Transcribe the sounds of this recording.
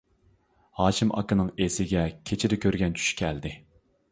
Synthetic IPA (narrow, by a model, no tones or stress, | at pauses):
hɑːʃimʔɑ̰kɨnɨŋesɪɡʲɛkʲʰet͡ʃʰɪd̪ɪkʲøɾɡʲɛnt͡ʃʰy̥ʃkʲʰɛld̪ɪ